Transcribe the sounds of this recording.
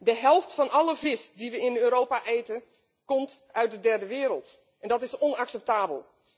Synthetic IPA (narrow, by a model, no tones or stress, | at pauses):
dəɦɛlˠftfɔnʔɔləvɪsdiʋəɪnøːɾoːpaʔejtən | kɔmtœɥ̚dədɛrdəʋɪːɾəlˠt | ɛndɔtɪsɔnaksɛp̚taːbə̰lˠ